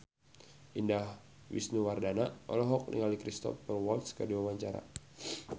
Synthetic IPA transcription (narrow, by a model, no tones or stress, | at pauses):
ʔindah | wḭsnuwardanaɔlɔɦɔk̚nḭŋalikɾist̪ɔ̰fɛrwɔlt̪skərdiwawaɲt͡ʃaɾa̰